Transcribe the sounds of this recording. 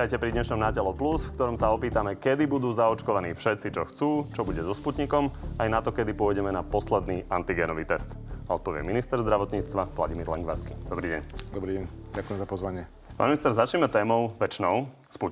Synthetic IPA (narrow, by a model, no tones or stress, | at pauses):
ajcɛpɾid̪ɲɛʃnɔmnaːɟɛlɔplusfkt̪ɔɾɔmsaɔpiːt̪amɛkɛd̪ibud̪uːzaɔt͡ʃkɔʋaniːfʃɛt̪t͡sit͡ʃɔxt͡suːt͡ʃɔbuɟɛzɔsput̪ɲikɔmajnat̪ɔkɛd̪ipʊɔjɟɛmɛnapɔslɛd̪niːʔant̪iɡɛnɔʋiːt̪ɛst̪aɔt̪̚pɔʋɪɛ̰minist̪ɛɾzd̪ɾaʋɔt̪ɲiːt͡st̪ʋaʋla̰ɟimiːɾlɛ̰ŋɡʋa̰ɾskid̪ɔbɾiːɟɛ̰ɲd̪ɔbɾiɟɛɲɟakujɛmzapɔzʋaɲɪɛ | paːnminist̪ɛɾzat͡ʃɲɛmɛt̪ɛːmɔʊʋɛt͡ʃnɔʊ | spu